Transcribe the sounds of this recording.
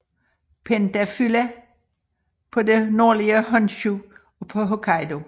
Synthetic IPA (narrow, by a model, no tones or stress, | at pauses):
pʰend̥æfylæ | pʰɒ̽denoːliəɦɔnɕu | pʰɒɦokʰɑɪdo̝